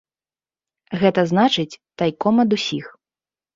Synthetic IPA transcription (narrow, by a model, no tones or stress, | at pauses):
ɣɛt̪ɐznat͡ʂɨt͡sʲt̪ajkɔmɐd̪usʲix